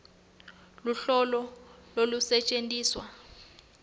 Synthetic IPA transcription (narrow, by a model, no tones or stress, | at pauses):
luɬɔlɔlolusɛt͡ʃʼentʼiːswa